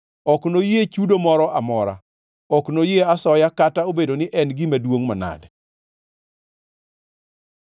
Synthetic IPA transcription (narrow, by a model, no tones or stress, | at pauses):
ɔknojet͡ʃudomɔɾɔʔamɔɾa̰ | ɔknojeasɔjakataobedonɪʔɛnɡɪmadwoŋmana̰dɛ